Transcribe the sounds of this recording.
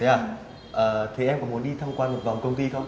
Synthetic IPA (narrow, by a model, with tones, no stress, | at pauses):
ɲaː˨˧˩ | ʔəː˨˩t̪ʰe˨˩ʔɛ˧mkɔ˨˩˦mu˨˩˦nɗi˧t̪ʰa˧wŋ͡mkwaː˧nmo˨˩t̚va˨˩wŋ͡mkə˧wŋ͡mt̪i˧xə˧wŋ͡m